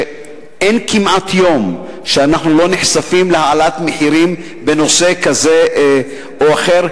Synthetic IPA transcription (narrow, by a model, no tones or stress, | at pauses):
ʔenkimʔat̪ʰjo̞m | ʃeanaħnulo̞niħsafimlehaalat̪meħiɾim | be̞no̞se̞kaze̞ | oaχe̞ʁ